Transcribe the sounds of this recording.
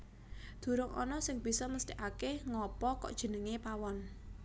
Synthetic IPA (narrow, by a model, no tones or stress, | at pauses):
d̪̥ṳɾʊŋɔ̰nɔsɪŋb̥i̤sɔməst̪iʔakeŋɔpɔkɔ̰ʔd̥ʒ̥ə̤nəŋepawɔn